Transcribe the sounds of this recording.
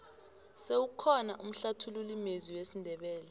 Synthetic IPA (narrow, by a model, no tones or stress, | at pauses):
sewukʰɔnaʔum̩ɬatʰululimeziwesindʱɛɓɛːlɛ